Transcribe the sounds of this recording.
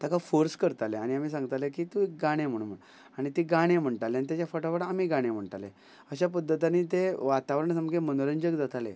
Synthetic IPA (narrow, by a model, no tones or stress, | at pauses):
t̪akafoɾskəɾt̪aleaɽ̃iam̤iːs̬ãŋɡət̪alekit̪ũek̚ɡaɽ̃em̤əɽ̃um̤ən | aɽ̃it̪eɡaɽ̃em̤əɳʈ̪aleanit̪jat͡ɕjafəʈafəɽaamiɡaɽ̃em̤əɳʈ̪alḛ | əɕap̬əd̪ʱːət̪̬aniːt̪eʋat̪aʋɾəɳsəmɡemənoɾəɲd͡ʑəɡd͡zat̪ʰalḛ